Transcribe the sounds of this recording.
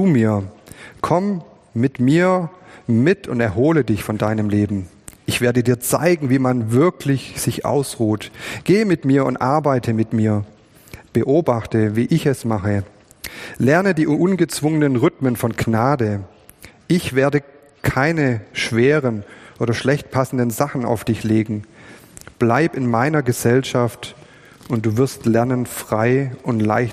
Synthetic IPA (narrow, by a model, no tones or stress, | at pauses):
t͡sumiːɐkʰɔm | mɪtmiːɐmɪtʰʊntɛɐɦoːlədɪçfɔndaɪnəmleːbm̩ | ʔɪçv̥eːɐdədiːɐt͡sa̰ɪɡŋ̩viːmanvɪɐkʰlɪçz̥ɪçʔa̰ʊsʁuːtɡ̥eːmɪtmiːɐʊ̰ntʔaɐbaɪtʰəmɪtmiːɐ | b̥əʔoːbaχtəviːʔɪçɛsmaχə | lɛɐnədiːʔʊnɡət͡sv̥ʊŋənənʁʏtmənfɔnknaːdə | ʔɪçv̥eːɐdə | kʰaɪnəʃv̥eɛːʁənʔoːɾɐʃlɛçtpʰasn̩dənzaχn̩a̰ʊfd̥ɪçleːɡŋ̩ | b̥laɪbɪnmaɪnɐɡəzɛlʃaft | ʊntd̥uːvɪɐstlɛɐnənfʁ̥aɪʔʊntla̰ɪç